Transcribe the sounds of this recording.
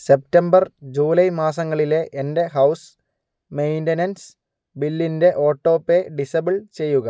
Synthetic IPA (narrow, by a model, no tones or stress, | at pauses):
se̞p̚tɐmbɐrd͡ʑuːlɐjmaːsɐŋːɐɭile̞ʔende̞ɦɐws | mejndɐnɐns | bilːinde̞ʔo̞ːʈːo̞ːpːeɖisɐbiɭt͡ɕe̞jːuɣɐ